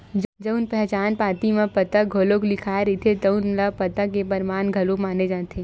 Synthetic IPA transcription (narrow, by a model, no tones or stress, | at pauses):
d͡ʒd͡ʒəʊnpɛɦt͡ʃaːnpaːt̪imẽpɐt̪əɡʱoːloklɪkʰaːeɾit̪ʰet̪ɐʊnlapɐt̪akepɐɾmaːnɡʱɐlomaːned͡ʒaːt̪ʰe